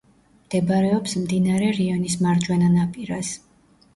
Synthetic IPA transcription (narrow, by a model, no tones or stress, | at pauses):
md̪̥ɛbaɾɛɔpsmd̪inaɾɛɾiɔnismaɾd͡ʒwɛnanapʼiɾas